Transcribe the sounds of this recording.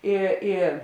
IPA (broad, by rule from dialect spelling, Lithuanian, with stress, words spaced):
ˈɪ ɪ